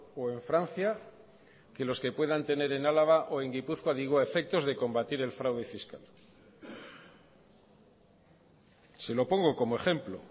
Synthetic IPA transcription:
o̞e̞ɱfɾanθja | ke̞lo̞ske̞pwe̞ðant̪e̞ne̞ɾe̞nalaɣaʔo̞e̞ŋɡipuθkwaðiɣwaefe̞k̚t̪o̞zðe̞ko̞mbat̪iɾe̞lfɾawðe̞fiska̰l | se̞lo̞po̞ŋɡo̞ko̞moe̞xe̞mplo̞̰

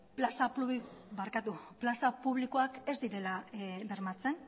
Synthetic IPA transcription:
plasapuβiβaɾkat̪uplasapuβliko̞ake̞zd̪iɾe̞laβe̞ɾmat͡se̞n

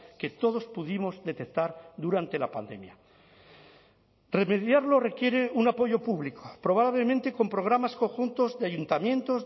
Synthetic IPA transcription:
ke̞t̪o̞ð̞o̞spuðimo̞zðe̞t̪ek̚t̪aɾðuɾant̪e̞lapa̰nd̪e̞̰mja̰ | re̞me̞ðjaɾlo̞re̞kje̞ɾe̞unapo̞ʝo̞puβliko̥pɾo̞β̞aβle̞mẽnt̪e̞ko̞mpɾo̞ɣ̞ɾamasko̞ŋxunt̪o̞zðeaʝunt̪amjẽ̞nt̪o̞z

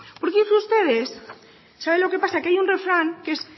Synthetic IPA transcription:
poɾkeuzust̪eð̞esː | aβ̞enloke̞pasakeajunrefɾaŋkes

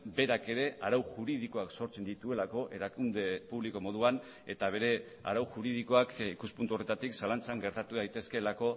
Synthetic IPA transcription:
be̞ɾake̞ɾe̞aɾawʝuɾið̞iko̞akso̞ɾt͡se̞nd̪it̪ue̞lako̞ʔe̞ɾakund̪e̞puβliko̞mo̞ð̞uan | e̞t̪aβ̞e̞ɾe̞ | a̰ɾawʝuɾiðiko̞akikuspunt̪uo̞re̞t̪at̪iksalant͡saŋɡe̞ɾt̪at̪uðajt̪e̞ske̞lako̞

